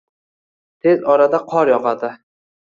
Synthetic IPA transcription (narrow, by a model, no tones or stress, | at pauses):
t̪ʰe̞zɒɾad̪aqʰɒɾjɒqɑd̪ɪ